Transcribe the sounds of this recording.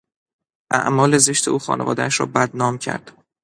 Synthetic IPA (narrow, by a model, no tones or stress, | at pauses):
ʔæ̰ʔmɒːle̞ze̞ʃt̪ʰe̞ʔuːxɒ̰ːne̞vɒ̰ːd̪ææʃɾɒ̰ːbæd̪nɒːmcʰæ̰ɾd̪̥